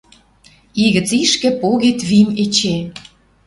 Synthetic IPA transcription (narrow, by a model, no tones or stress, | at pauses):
iɣə̆t͡siʃkĕpoɣet̪βimet͡ɕe